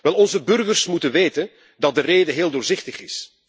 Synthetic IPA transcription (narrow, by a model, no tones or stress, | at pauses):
ʋɛlˠɔnzəbɵrɣərsmutənʋeːtən | dɑt̚dəreːdəɦeːlˠdʊːrzɪχtəχɪs